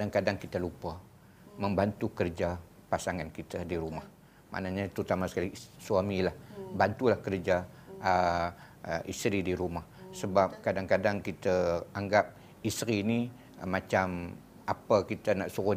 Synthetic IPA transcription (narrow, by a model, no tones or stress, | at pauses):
adaŋkadaŋkit̪alupa | məmbant̪ukərd͡ʒa | pasaŋankit̪adiɾumah | ma̰naɲat̪ɾut̪amasə̥kalisuamilahbant̪ulahkərd͡ʒa | ə | ʔist̪ɾidiɾumahsəbap̚kadaŋkadaŋkit̪əaŋɡap̚ | isɾiniː | at͡ʃam | apəkit̪anaʔsuo